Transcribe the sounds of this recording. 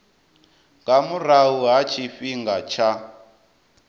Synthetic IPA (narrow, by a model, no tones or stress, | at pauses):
ŋɡamuraɦuɦat͡ʃʰifiŋɡat͡ʃʰa